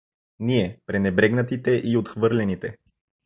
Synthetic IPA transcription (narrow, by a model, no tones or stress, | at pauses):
niɛpɾɛnɛbɾɛɡnət̪it̪ɛʔiot̪xvɤɾlɛnit̪ɛ